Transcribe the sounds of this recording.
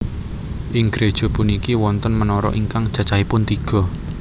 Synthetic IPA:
ʔɪŋɡɾed̥ʒ̥ɔ̤punikiwɔnt̪ənmənɔɾɔ̰ʔiŋkaŋd̥ʒ̥ä̤t͡ʃahipʊnt̪iɡ̥ɔ̤

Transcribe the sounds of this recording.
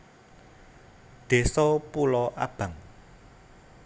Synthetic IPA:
d̪̥e̤sɔpulɔʔa̰b̥ä̤ŋ

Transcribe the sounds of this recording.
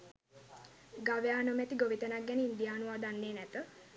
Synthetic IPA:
ɡaʋejaːnomɛt̪iɡoʋit̪ənaɡːɛnəind̪ijaːnuʋaːd̪anːeːnɛt̪ə

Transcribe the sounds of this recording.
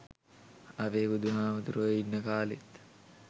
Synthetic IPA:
ɐʋeːbud̪uɦaːməd̪uɾuəinːəkaːlet̪

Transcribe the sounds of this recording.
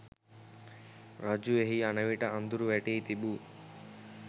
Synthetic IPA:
ɾɐd͡ʒueɦiɐnɐʋiʈɐʔɐnd̪uɾuʋɛʈiːt̪ibu

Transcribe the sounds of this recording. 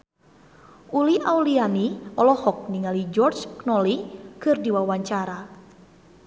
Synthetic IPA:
ʔuliʔaulianiɔlɔhɔk̚niŋalid͡ʒɔrd͡ʒknɔlikɨrdiwawaɲt͡ʃaɾa

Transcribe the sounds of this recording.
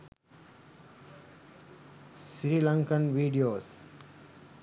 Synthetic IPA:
sɾiːlə̃ŋkənʋiːɖioːs

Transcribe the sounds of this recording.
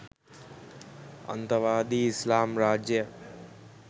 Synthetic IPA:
ə̰nt̪əʋaːd̪iːɪslaːmɾaːd͡ʒjə

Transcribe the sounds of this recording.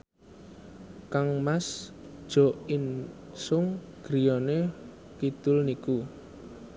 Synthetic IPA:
kaŋmas | d̥ʒ̥ɔ̤ʔin | sʊŋ | ɡ̥ɾijɔne | kid̪̥ʊlniku

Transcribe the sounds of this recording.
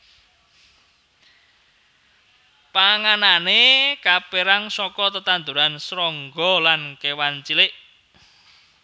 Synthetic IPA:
paŋananekapeɾaŋsɔkɔt̪ət̪and̪uɾansɾɔŋɡɔlankewant͡ʃilɪʔ

